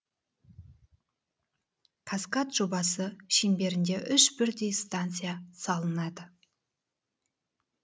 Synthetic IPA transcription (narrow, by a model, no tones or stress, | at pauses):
qʰaskat̪ʒo̞bɑsəʃembe̞ɾɪnd̪e̞ʔʏʃbɪɾd̪e̞jst̪ant̪sɨjasɑlˠənɑd̪ə